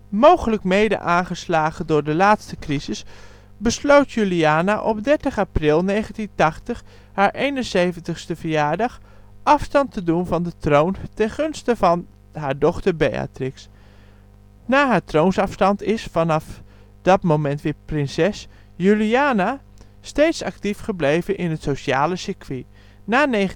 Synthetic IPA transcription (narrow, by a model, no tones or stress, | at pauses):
mowχələkmejdə̰ʔaːnχəslaːχəndʊːɹdəlaːtstəkrizɪs | bəslowtjyliaːnaʔɔp̚dɛɹtəχaprɪlˠnejχəntintɑχtəχ | haːɹʔejnənsejvəntəχstəvəɹjaːɹdɑχ | ʔɑfstɑntədunvɑndətrowntɛnχɵnstəvɑn | ɦaːɹdɔχtəɹbeja̰trɪks | naːɦaːɹtrownsɑfstɑntɪsfɑnɑf | d̥ɑtmowmɛntʋɪːɹprɪnsɛs | jyliaːna | stejtsɑ̰ktifχəblejvənʔɪnɦətsoʃaːləsɪɹkʰʋi | naːne